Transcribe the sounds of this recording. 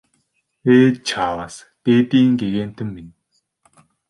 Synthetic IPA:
eːt͡ɕʰaːwas | t̪eːt̪iːŋɡeɣeːn̥t̪ʰɘ̆mːin

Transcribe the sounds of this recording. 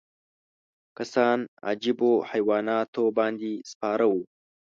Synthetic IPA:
kasɑna̰d͡ʒibohajwɑːnɑt̪obɑːnd̪ispɑːɾawu

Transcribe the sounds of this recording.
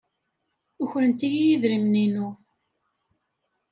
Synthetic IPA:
ʊçɾənt̪ijijiðɾimninu

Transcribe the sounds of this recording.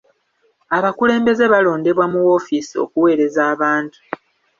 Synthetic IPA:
aβakule̞ːmbe̞ze̞βalo̞ːnde̞βwamuwo̞fisio̞̰kuwe̞ːɾe̞zaːβaːntu̥

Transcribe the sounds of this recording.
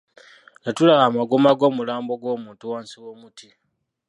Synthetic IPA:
natulaɣamaɡomaɡo̞ːmulaːmbo̞ɡwo̞ːmuːntuwaːnsiwoːmutʰi

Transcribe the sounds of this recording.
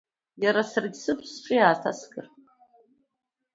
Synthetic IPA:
jaɾasɨrɡʲsɨpʰsʈ͡ʂʷʼijaːtʰa̰sɡɨ̰r

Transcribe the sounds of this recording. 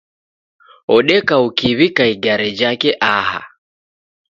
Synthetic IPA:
ɔɗɛkaukiβikaiɡaɾɛd͡ʒakɛʔaha̰

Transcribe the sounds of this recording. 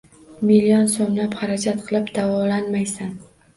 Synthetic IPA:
milijɒnsomlapχaɾad͡ʒat̪qʰɨlˠɪpd̪̥avɒlanmajsan

